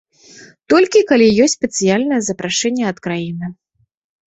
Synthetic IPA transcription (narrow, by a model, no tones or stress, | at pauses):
t̪ɔlʲkʲikalʲijɔsʲt͡sʲsʲpʲɛt̪sɨjalʲnɐjɛzɐpɾaʂɛnʲːɛɐt̪kɾajinɨ